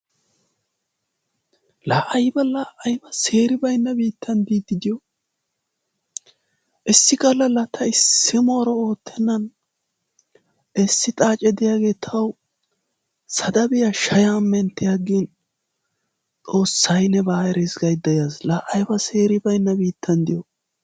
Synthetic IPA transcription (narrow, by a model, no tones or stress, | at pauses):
laːʔɐjbɐlaːʔɐjbɐse̞ːɾɪbɐjnːɐbiːt̪ʰːɐnd̪iːd̪ːɪd̪ɪjɔ | ʔɪsːɪkʼɐlɐlɐt̪ʰɐɪsːɪmo̞ːɾɔo̞ːt̪ʰːɛnːɐn | ʔɛsːɪt̪ʼaːt͡ʃʼɛd̪ɪjaːɡe̞ːt̪ʰɐw | sɐd̪ɐbɪjɐʃɐjamːɛnt̪ːɪjaɡin | t͡sʼo̞ːsːɐjnɛbaːjɾɛzɡɐjd̪ɐjaslaːʔɐjbɐse̞ːɾɪbɐjnːɐbiːt̪ʰːɐnd̪ɪjɔ